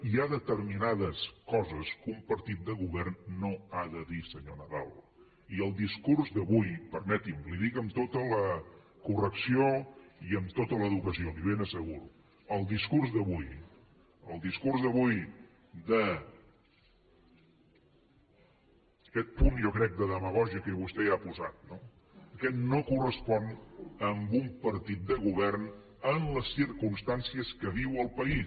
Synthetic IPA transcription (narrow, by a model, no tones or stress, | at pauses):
iaðət̪əɾminaðəskɔzəskumpəɾt̪it̪̚d̪əɣuβɛrnːoaðəðisəɲonəðalˠ | iəlˠd̪iskurzd̪əβujpəɾmɛt̪imliðikəmt̪ot̪ələ | kurəksioiəmt̪ot̪ələðukəsioliβ̞enəsəɣuɾu | əlˠd̪iskurzðəβuj | əlˠd̪iskurzðəβuj | d̪ə | əkɛt̪̚punjɔkɾɛk̚d̪əðəməɣ̞ɔʒiəkəiβust̪ɛapuzat̪̚no | əkɛt̪nokurəspɔnəmbumpəɾt̪it̪̚d̪əɣuβɛrn | ənləsːiɾkunst̪ansiəskəβiwəlˠpəi